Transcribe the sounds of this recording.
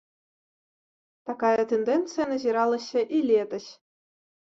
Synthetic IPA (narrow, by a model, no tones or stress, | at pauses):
t̪ɑkɑjət̪end̪ent̪t͡sɨjanaziɾɑlˠɤ̆ɕːɘ̆ʔilʲed̪ʲɘ̆ɕ